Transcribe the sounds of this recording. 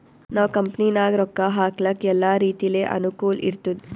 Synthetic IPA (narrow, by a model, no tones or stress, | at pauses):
naːʋkɐmpninaːɡɾɔkːaɦaːklɐkːɛlːaːɾiːt̪ijleːʔɐ̰nukuːlḭɾt̪ud̪i